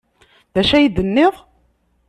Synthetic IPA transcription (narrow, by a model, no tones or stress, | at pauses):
ðæʃæjid̪ənːɪʁ